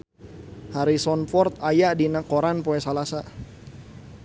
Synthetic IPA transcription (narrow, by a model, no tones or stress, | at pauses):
haɾisɔnfɔrt̪̚ajadinakoɾanpoɛsalasa